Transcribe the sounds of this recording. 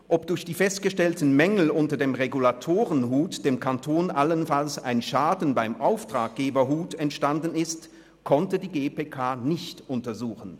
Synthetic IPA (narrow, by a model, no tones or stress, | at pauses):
ʔɔpd̥ʊɐçd̥iːfɛstɡ̥əʃtɛltn̩mɛŋl̩ʊntɐdeːmʁeɡulatʰoːʁənɦuːtd̥eːmkʰantʰoːnʔalənfalsa̰ɪnʃaːdn̩baɪmʔaʊftʁ̥aːk̚ɡ̥eːbɐɦuːtɛntʃtandn̩ɪst | kʰɔntədiːɡeːpeːkʰaːnɪçtʔʊntɐzuːxn̩